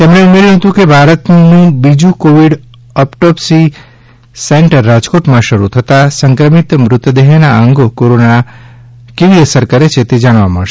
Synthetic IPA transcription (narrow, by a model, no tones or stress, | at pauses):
t̪emɽeumeɾjũɦət̪ũkebʱaɾət̪nũbid͡ʒũkoʋiɽ | əpʈɔpsi | seɳʈəɾːad͡ʒkoʈmãʃəɾut̪ʰət̪asə̃ŋkɾəmit̪mɾʊt̪ːəd̪eɦenaəŋɡokoɾonana | keʋiəsəɾkəɾet͡ʃʰet̪ed͡ʒaɽʋaməɭʃe